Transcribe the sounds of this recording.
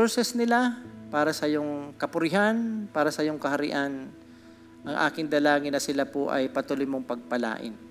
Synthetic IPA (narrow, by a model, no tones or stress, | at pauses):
soɹsɛsnɪlapaːɾɐsɐjoŋkɐpʊɾɪɦanpaːɾɐsɐjoŋkɐhɐɾɪ̰ʔan | ʔɐŋʔa̰ːkɪŋd̪ɐlaːŋɪnɐsɪlapoʔɐ̰jpɐt̪uːlojmoŋpɐɡ̚pɐla̰ːʔɪ̰n